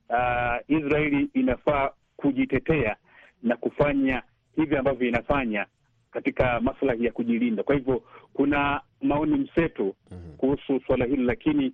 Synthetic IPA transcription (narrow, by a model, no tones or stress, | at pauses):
aisɾaɛliːnafaː | kuʄitɛtɛa | nakufaɲa | hiviambavjɔinafaɲa | katikamaslahijakuʄilindakwahivjɔkuna | maɔnim̩sɛtɔkuhususwalahililakini